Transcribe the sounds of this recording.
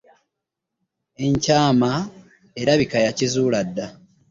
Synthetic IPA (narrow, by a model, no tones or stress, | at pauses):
e̞ɲcaːma | e̞ɾaβikajacizuːladːa